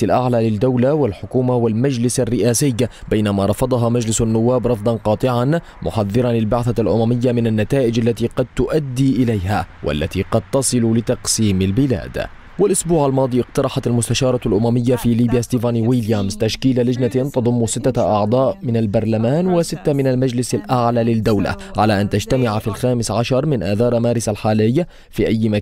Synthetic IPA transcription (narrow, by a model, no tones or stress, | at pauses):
alʔaʕlaːlɪd̪ːawlawalħʊkuːmawalmad͡ʒlɪsarːɪʔaːsɪjbajnamaɾˤɑfɑd̪ˤɑɦɑmad͡ʒlɪsanːʊwːaːbɾˤɑfd̪ˤɑnqɑːt̪ˤɪʕan | mʊ̰ħaðːɨɾˤɑnlɪlbaʕθalʔʊmamɪjːamɪnanːat̪aːʔɪd͡ʒʔalːat̪iːqɑd̪̚t̪ʊʔad̪ːiːʔɪlajhaːwʔa̰lːat̪iːqɑd̪̚t̪ɑsˤɨlʊlɪt̪ɑqsiːmalbɪla̰ːd̪ | walʔʊsbuːʕalmɑːd̪ˤiːʔɪqt̪ɑɾˤɑħɑt̪almʊst̪aʃɑːɾˤɑlʔʊmamɪjːafiːliːbjaːst̪iːvaːnwiːljamzt̪aʃkiːlalad͡ʒnat̪ɑd̪ˤʊmːʊsɪt̪ːaʔɑʕd̪ˤɑːʔmɪnalbɑɾˤlamaːnwasɪt̪ːamɪnalmad͡ʒlɪsalʔaʕlaːlɪd̪ːawla̰ʕalaːʔant̪ad͡ʒt̪amɪʕafilxaːmɪsʕaʃɑɾˤmɪnʔaːθɑːɾˤmaːɾˤɪsalħaːlɪjːa | fiːʔajːma